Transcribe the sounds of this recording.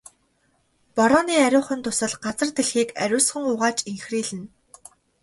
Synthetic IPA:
pɔɾɔːniːæɾʲʊːχə̆nt̪ʰʊsə̆ɮɢat͡sə̆rt̪eɮxiːkæɾʲʊːsχə̆ŋʊʁaːt͡ɕiŋxriːɮɘ̆n

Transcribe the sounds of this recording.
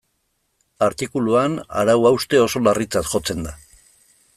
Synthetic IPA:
aɾt̪ikuluana̰ɾawawst̪e̞o̞so̞larit͡sat̪ʝo̞t͡se̞nd̪a

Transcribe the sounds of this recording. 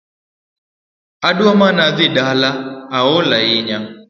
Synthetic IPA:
aɗuamanaðiɗalaːɔlaiɲa

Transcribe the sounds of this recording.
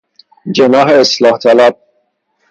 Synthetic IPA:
d͡ʒenɒːɦeːslɒːht̪ʰælæb̥̚

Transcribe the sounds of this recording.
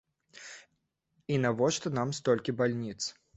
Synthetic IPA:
inavɔʂt̪ɔnamst̪ɔlʲkʲibalʲnʲit̪s

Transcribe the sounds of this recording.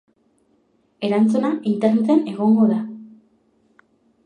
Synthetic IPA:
e̞ɾant͡sunaʔint̪eɾrnet̪ane̞ɣ̞o̞ŋɡo̞ða

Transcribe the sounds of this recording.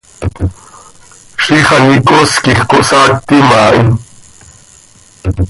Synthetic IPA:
ʂiχɑnikʼoskiχkoʔsak̚t̪imaːʔi

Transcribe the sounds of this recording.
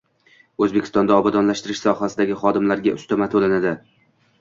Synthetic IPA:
ɵzbekʲʰɪst̪ɒnd̪aɒbad̪ɒnlaʃt̪ɪɾɪʃsɒhasɪd̪aɡʲɪχɒd̪ɪmlaɾɡʲaʔʊst̪amat̪ʰolanad̪ɪ

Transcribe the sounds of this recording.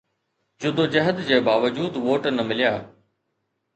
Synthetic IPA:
d͡ʑʊd̪od͡ʑɐɦəd̪d͡ʑeːbaːʋəd͡ʑuːd̪ʋoːʈnɐmɪlɪjaː

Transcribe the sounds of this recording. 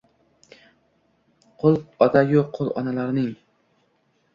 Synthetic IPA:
qʰolˠɒd̪ajoqʰːolˠɒ̰nalaɾnɪŋ

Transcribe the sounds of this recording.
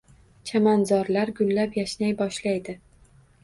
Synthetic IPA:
t͡ʃʰamanzɒɾlaɾɡʊlːapjaʃnajbɒʃlajd̪ɪ

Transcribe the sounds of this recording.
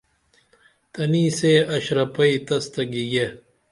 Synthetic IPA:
t̪ɐniːseɐɕɾɐpɐit̪ɐst̪ɐɡiɡe

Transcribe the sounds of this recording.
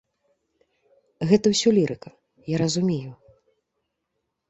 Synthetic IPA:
ɣɛt̪ɐwsʲɔlʲiɾʔɨkɐ | jaɾɐzumʲeju

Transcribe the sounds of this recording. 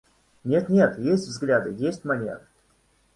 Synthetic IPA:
nʲe̞t̪nʲe̞t̪jesʲtʲvzɡlʲad̪ɨjesʲtʲmɐnʲḛɾ

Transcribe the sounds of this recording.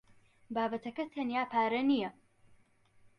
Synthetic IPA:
baːbɐt̪ʰɐkɐt̪ʰɐnjaːpʰaːɾɐnijɐ

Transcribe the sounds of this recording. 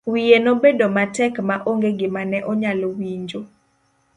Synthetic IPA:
wijenobedomatɛkmaʔoŋɡeɡɪmanɛʔɔɲalowiɲd͡ʒo

